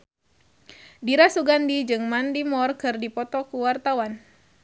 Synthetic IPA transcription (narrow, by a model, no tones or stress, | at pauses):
diɾasuɡandid͡ʒɨŋmandimɔrkɨrdipɔt̪ɔkuwart̪awan